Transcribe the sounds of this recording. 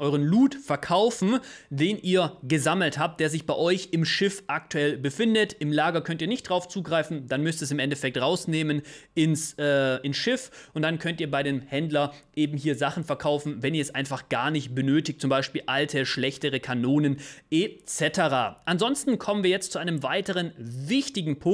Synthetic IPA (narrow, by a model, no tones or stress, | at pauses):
ʔɔʏʁənluːtfɛɐkʰaʊfn̩deːnʔiːɐɡəzaml̩thaːp̚t̚d̥eːɐzɪçb̥aɪʔɔʏçɪmʃɪfʔak̚tuɛlbəfɪndətɪmlaːɡɐkʰœntiːɐnɪçtd̥ʁaʊft͡suːɡʁaɪfn̩d̥anmʏstɛsɪmʔɛntɛfɛk̚tʁaʊsneːmənʔɪnsʔɛːɪnsʃɪfʔʊntd̥ankʰœntiːɐbaɪɾeːnhɛndlɐʔeːbm̩ɦiːɐzaχn̩fɛɐkʰaʊfn̩vɛniɐɛsʔaɪnfaχɡ̥aːɐnɪçt̚b̥ənøːtɪçtt͡sʊmbaɪʃpiːlʔaltʰəʃlɛçtəʁəkʰanoːnənʔet͡sɛtəʁa̰ːʔanzɔnstn̩kʰɔmənviːɐjɛt͡stt͡suʔaɪnəmvaɪtəʁ̞ənvɪçtɪɡŋ̩pʰʊ